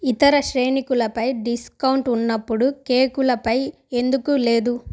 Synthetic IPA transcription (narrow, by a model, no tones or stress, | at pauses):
it̪ɐɾɐʃɾeːnikulɐpɐjɖiskɐwɳʈunːɐpːuɽukeːkulɐpɐj | e̞nd̪ukuleːd̪u